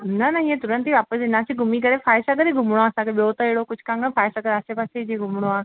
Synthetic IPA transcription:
nɐnɐĩːẽt̪ʊɾə̃nt̪iʋaːpəsɪnãːsiɡʱʊmik̬ɐɾefaːɪʃak̬ɐɾeɡʱʊmɽ̃oaːɐsãkʰeɓiot̪ɐɪɦɪɽokʊd͡ʑʱkãːŋɡəfaːɪsakɐɾaːsepaːsed͡ʑeɡʱʊmɽ̃oaː

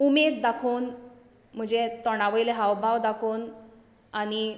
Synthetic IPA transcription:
umed̪d̪akʰoːn | m̤ə̃d͡ʑet̪ɔɽ̃aʋəjleɦawbʱaʋd̪akʰoːn | ani

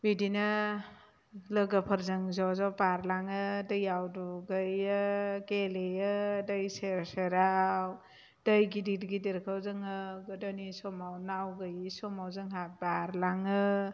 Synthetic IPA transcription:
bidinɐ | lɐɡapʰɐɾzɯŋzawzawpaɾlaŋɯdɐjawduɡəjakelejədəjseɾseɾaw | d̥əjɡididɡideɾkʰawzɯŋɯɡɯdɔnisɔmawnaawɡajsɔmawzɯŋɦabaɾlaŋɯ

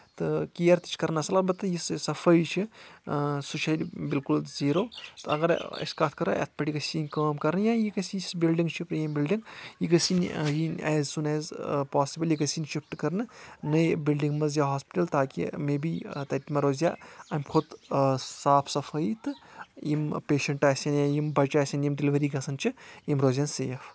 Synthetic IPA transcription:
t̪ɨkijɐɾt̪i̥t͡ʃʰkɐɾnɐsɐlaːbɐt̪ːɨjissɐfɐjt͡ʃʰi | sut͡ʃʰɐjlʲbilkulziːɾoːt̪ɨɐɡɐɾɐ̰skat̪̚ʰkɐɾɐʔḛt̪̚ʰpɐʈiɡɐsiːnʲkɐːmkɐɾnjãːjikɐsisbilɖiŋɡt͡ʃʰipɾjambilɖiŋɡjikɐsinjinɛːzsunɛːzpaːsibɐljikɐsinʃipʈkɐɾnɨnɐjbilɖĩŋɡmɐzjaɦaːspɪ̥ʈɐlt̪aːkḭmeːbit̪ɐit̪mɐɾoːzʲja̰ːɐjmxʰʊd̪saːpʰsɐfʰɐjt̪ɨimpeːʃɐɳʈaːsɐnjãjimbɐt͡ʃaːsʲɐnjimɖiliʋɐɾiːɡɐsɐnt͡ʃʰijimɾoːzʲanseːf

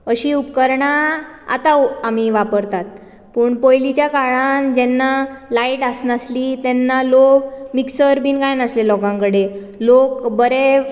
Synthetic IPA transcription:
əɕiːupkəɾɳa | a̰t̪aam̤iʋapəɾt̪at̪̚ | puːɳpojlit͡ɕjakaɭand͡ʑɛnːalaiʈasnaslit̪ɛnːalokmiksəɾbʱiːnɡajnəslelɔɡãŋkəɽe | lokbəɾe

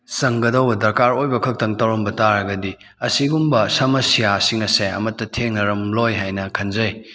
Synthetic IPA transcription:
sɐŋɡɐdɐwbɐdɐɾkaɾojbɐkʰɐk̚tɐŋtɐwɾɐmbɐtaɾɐɡɐdi | ɐsiɡumbɐsɐmɐsijasiŋɐseɐ̰mɐtːɐtʰeŋnɐɾɐmlojɦajnɐkʰɐnzɐj

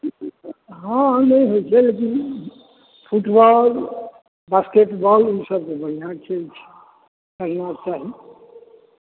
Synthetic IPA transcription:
ɦãnəjɦojt͡ʃʰɛlek̬in | pʰuʈbɔl | baskeʈbɔlusəb̚kebəɦinat͡ʃəlt͡ʃʰɛ̥ | kəɦinat͡ʃaɦi

